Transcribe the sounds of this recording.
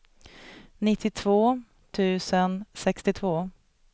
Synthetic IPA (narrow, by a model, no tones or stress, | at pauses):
nɪt̪ʰːɪt̪ʰvoː | t̪ʰʉ̟ːsənsɛkst̪ɪt̪ʰvoː